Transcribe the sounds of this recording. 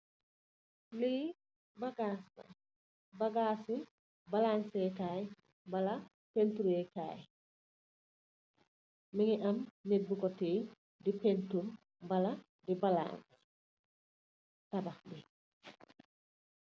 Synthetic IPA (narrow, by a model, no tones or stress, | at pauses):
li | baɡasa̰ | baɡaːsi | balansɛtaːj | bala | pentuɾeta̰ːj | miŋiʔɐmnit̚bukɔtiː | dipentum | bɐla | dibala̰ːŋs | tababi